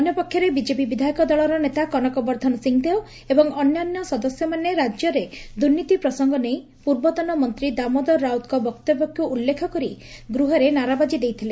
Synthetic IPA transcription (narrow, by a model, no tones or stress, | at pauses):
ɔnjɔpɔkʰːjɔɾebid͡ʒepibid̪ʱajikɔd̪ɔɭɔɾɔnet̪akɔnɔkɔbɔɾd̪ʱɔnɔsiŋd̪eo | ebɔŋɔnjɔnjɔsɔd̪ɔsjɔmaneɾad͡ʒjɔɾed̪uɾnːit̪ipɾɔsɔŋɡɔnej̃ | puɾbɔt̪ɔnɔmɔnt̪ɾid̪amɔd̪ɔɾːawt̪kɔbɔkt̪ɔbɔkuʔulːekʰɔkɔɾi | ɡɾuɦɔɾenaɾabad͡ʒid̪ejt̪ʰile